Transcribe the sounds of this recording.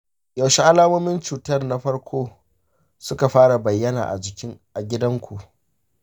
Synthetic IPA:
jɐ˨wʃi˦ʔa˦laː˦moː˦mɪ˦nt͡ʃuː˨tɐ˦rna˦ɸɐ˦ɽkʷʰoː˦ | sʊ˦ka˨ɸaː˦ɽa˨bɐ˨jːɐ˦na̰ː˨ʔa̰˨d͡ʒɪ˨kʲɪ˦ŋʔa˨ɡʲɪ˦dɐ˦ŋkʷʰu˨ʔ

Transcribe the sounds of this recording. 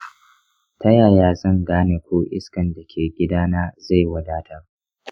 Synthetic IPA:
tɐ˦jaː˨jaː˦zɐ˦˨ŋɡaː˦neː˨kʷoː˦ʔɪ̰˦skɐ˨nda˨kʲʰeː˨ɡʲɪ˦daː˦naː˦za˦˨jwɐ˦daː˦tʰa˦ʔ

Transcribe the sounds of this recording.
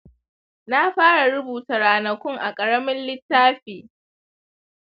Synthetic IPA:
na˦ɸaː˦ɽa˨ɽʊ˦buː˨ta˨ɾaː˨nɐ˨kʷʊ˦ŋʔa˨kʼɐ˨ɽɐ˦mɪ˦nlɪ˦tːaː˦ɸeː˨

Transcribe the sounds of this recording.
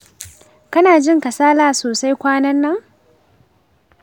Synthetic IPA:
kɐ˦naː˨d͡ʒɪ˦ŋkɐ˨saː˦laː˦soː˨sa˦jkʷaː˦nɐ˦nːɐ˦ŋ

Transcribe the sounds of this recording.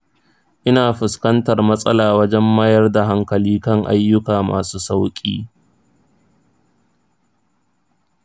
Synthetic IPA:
ʔɪ˦naː˨ɸɪ˨skɐ˦ntɐ˨rmɐ˦sʼɐ˦laː˨wɐ˦d͡ʒɛ˦mːaː˦jɐ˦rda˨ɦa˦ŋkɐ˨liː˦kɐ˦˨ŋʔa̰˦jːʊ˦kaː˨ma̰ː˨suː˦sa˦wkʲʼḭː˦

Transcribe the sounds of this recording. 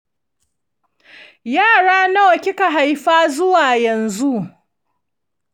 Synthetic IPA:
jaː˦˨ɽaː˦na˦wɐ˨kʲɪ˦ka˨ɦa˨jɸaː˦zʊ˦waː˨jɐ˨nzu˦ʔ

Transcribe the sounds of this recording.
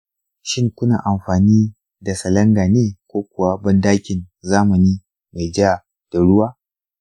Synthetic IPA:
ʃɪ˦ŋkʷʊ˦na̰ː˨ʔa˨mɸaː˨niː˦ | da˨sɐ˨lɐ˦ŋɡa˨neː˦kʷoː˦kʷʊ˨wa˦bɐ˦ndaː˦kʲɪ˨nzaː˦mɐ˨niː˦ | ma˨jd͡ʒa˦˨ | d̥a˨ɽʊ˦waː˦

